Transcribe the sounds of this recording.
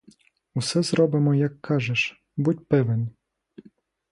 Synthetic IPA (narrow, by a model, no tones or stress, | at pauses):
usɛzɾɔbɪmɔjɐkʰːɑʒeʃ | butʲpɪʋen